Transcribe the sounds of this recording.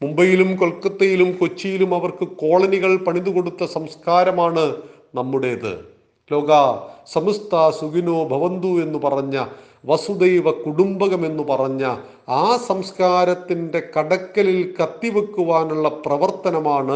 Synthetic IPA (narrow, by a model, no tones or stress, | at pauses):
mumbɐjilumko̞ɭkːɐt̪ːɐjilumko̞t͡ɕːijilumɐʋɐrkɨko̞ːɭɐniɣɐɭpɐɳind̪uko̞ɽut̪ːɐsɐmskaːɾɐmaːɳɨ | nɐmːuɽe̞ɐðɨ̰ | lo̞ːɡasɐmust̪ʰaːsuɡinoːbʱɐʋɐnd̪ue̞nːupɐrɐɲːɐ | ʋɐsud̪ejʋɐkuɽumbɐɣɐme̞nːupɐrɐɲːɐ | aːsɐmskaːɾɐt̪ːinde̞kɐɽɐkːɐlilkɐt̪ːiʋɐkːuʋaːnuɭːɐprɐʋɐrt̪ɐnɐmaːɳɨ